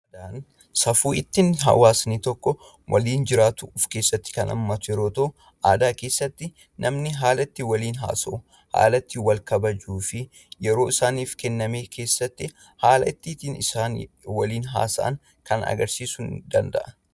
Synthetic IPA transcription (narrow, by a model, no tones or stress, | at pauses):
d̪ɐʔɐn | sɐfuːɪt̪ːɪnɦɐ̰waːsniːt̪ɔkːɔ | wʔɐ̰liːnd͡ʒɪɾaːt̪ʊʊfke̞ːsːɐt̪ːɪ̥kɐnʔɐ̰mːɐt̪ʊjɛɾoːt̪ɐʔʊ | ʔaːd̪aːke̞ːsːɐt̪ːɪ | nʔɐmnɪɦaːlɐt̪ːɪwɐliːnɦa̰ːsɐʔʊ | ha̰ːlɐt̪ːɪwɐlkɐbɐd͡ʒuːfɪ | jɛɾo̞ːɪsaːniːfkɛnːɐme̞ːkʰe̞ːsːɐt̪ːɪ | haːlɐʔɪt̪ːiːt̪iːnɪsaːnwɐliːnɦa̰ːsɐ̰ʔɐ̰ŋ | kɐnɐ̰ɡɐɾsiːsʊnd̪ɐnd̪ɐ̰ʔɐ